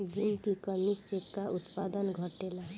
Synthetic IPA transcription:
d͡ʒink̪ikəmisekaʔʊt̪pad̪ənɡʱɔʈela

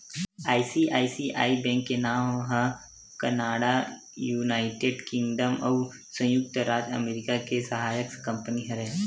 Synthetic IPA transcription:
aːisiʔa̰ːisiʔa̰ːibɛ̃ːŋkːenaːɦə | kɐnaːɽa | juːnaːɪʈeːɖkɪ̃ŋɡɖəmɐ̰ʋ | sə̃jʊk̚t̪əɾaːd͡ʒɐ̰meːɾɪkakesɐɦaːjəkskɐ̃mpəniɦɐɾɛː

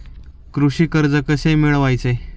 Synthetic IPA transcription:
kɾuɕiːkəɾd͡zəkəsemeɭʋajt͡se

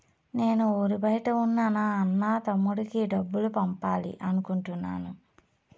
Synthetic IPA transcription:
ne̞ːnuoːɾibɐjʈɐunːaːnaɐnːaːt̪ɐmːuɽikiɖɐbːulupɐmpaːlḭʔɐnukuɳʈunːa̰ːnu

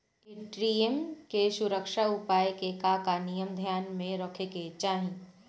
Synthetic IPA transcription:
kiʈɾiːemkesʊɾəkʃaʊpaːjekekakanijəmd̪ʱjaːnmẽɾɔːkʰeket͡ʃaːɦĩ

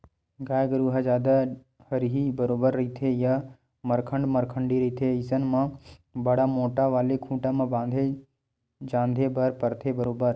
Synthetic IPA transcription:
ɡaːjɡəɾuːɦad͡ʒjaːd̪a | həɾɦibəɾoːbəɾːɐɦit̪ʰeja | məɾkʰə̃ɳɖməɾkʰəɳɖiɾɐɦit̪ʰeɪsənmãbəɽamoːʈaʋaːlekʰũːʈamãbãːnd̪ʱe | d͡ʒãːnd̪ʱebɐɾpəɾt̪ʰebəɾoːbəɾ

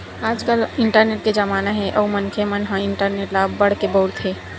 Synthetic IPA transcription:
ad͡ʒkəliɳʈəɾneʈ̚ked͡ʒəmanaɦɛʔəumənkʰemənɦə̃ɪɳʈəɾneʈlabəɽkebəwɽt̪ɦe

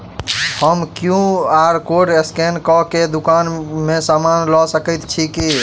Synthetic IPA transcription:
həmkjũaɾkoɖeskenkɔked̪ukanmesamanlɔsəkɛt̪t͡ʃʰiki

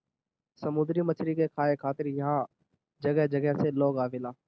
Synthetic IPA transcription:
səmʊ̃d̪ɾimət͡ʃʰɾiːkekʰaːekʰaːt̪ɪɾjəɦãː | d͡ʒəɡəɦd͡ʒəɡɛɦseloːɡaːʋɪlaː

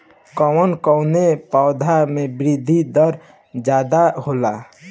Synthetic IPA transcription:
kɔwənkɔwnepaʊd̪ʱamẽbɾid̪ʱid̪əɾ | d͡ʒaːd̪aɦoːla

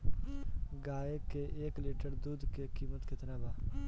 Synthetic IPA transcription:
ɡaːekeʔeːkliːʈəɾd̪uːd̪kekiːmət̪kɪt̪naːbaː

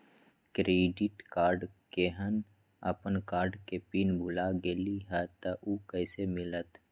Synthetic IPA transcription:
kɾeːɖɪʈkaːɾɖkeɦən | ə̰pənkaːɾɖkepiːnbʱʊlaɡeliɦɛt̪aʔukəːsemɪlət̪

